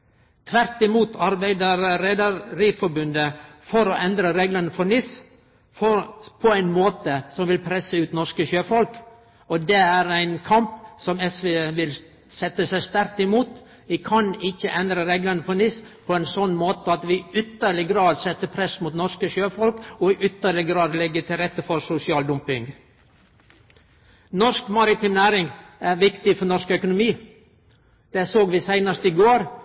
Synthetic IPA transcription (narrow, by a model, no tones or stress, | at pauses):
t̪ʰʋæɾt̪ɪmuːt̪ʰɑɾbæɪd̪əɾɾɛd̪əɾɪfɔɾbʉnd̪əfɔɾɔʔɛnd̪ɾəɾeːɡlənəfɔnɪs | fɔpʰɔæɪnmoːt̪əsɔmʋɪlpʰɾɛsːəʉːt̪nɔɾkəʃøːfɔlk | ɔd̪ɛæɾæɪnkʰɑmpsɔmɛsʋeːʋɪl | sɛt̪ːəsæɪst̪æɾk̚t̪ɪmuːt̪ | ʋɪkʰɑnɪçːəʔɛnd̪ɾəɾeɡlɑnəfɔɳɪspʰɔæɪnsɔnːmoːt̪əɑt̪ʋɪʏt̪əɭɪɡɾɑːd̪sɛt̪ːəpʰɾɛsmʊːt̪nɔɾʂkəʃøːfɔlkɔɪʔʏt̪əɭɪɡɾɑːd̪lɛɡːət̪ʰɪlɾɛt̪ːəfɔɾsʊsɪɑːld̪ʊmpɪŋɡ | nɔʂkmɑɾɪt̪ʰɪmnæːɾɪŋæɾʋɪkt̪ɪfɔɳɔʂkœkʊnʊmiː | d̪̥ɛsoːɡʋɪsæɪnəʂt̪ɪɡoːɾ